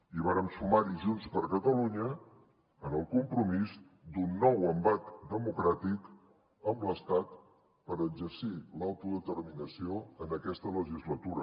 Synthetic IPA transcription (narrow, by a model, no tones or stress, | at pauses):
iβ̞aɾəmsumaɾiʒunspəɾkət̪əluɲə | ənəlˠkumpɾumiz | d̪unːɔwəmbat̪d̪əmukɾat̪ik | əmbləst̪at̪ | pəɾəɡd͡ʒəɾsilawt̪uðət̪əɾminəsioənəkɛst̪ələʒizlət̪uɾə